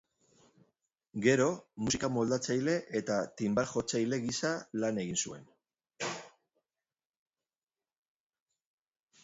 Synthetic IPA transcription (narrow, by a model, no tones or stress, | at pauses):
ɡe̞ɾo̞musikamo̞ld̪at͡sajle̞ʔet̪at̪imbat̪xo̞t͡sajle̞ɣisalane̞ɣ̞insue̞n